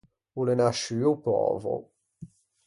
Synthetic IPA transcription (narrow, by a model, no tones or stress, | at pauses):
ulenaʃyːupɔ̰ːvo̰